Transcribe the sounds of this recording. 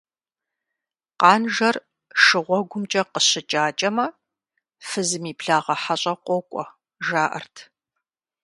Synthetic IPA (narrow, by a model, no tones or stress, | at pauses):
qɑːnʒɐr | ʂɨʁʷɔɡʷʊmt͡ʃʼɐqəɕɪt͡ʃʼaːt͡ʃʼɐmɐ | fɨzɨmiːpɬaːʁɐħaɕʼɐqʷɔkʷʼɔ̰ | ʒaːʔɐ̰rtʰ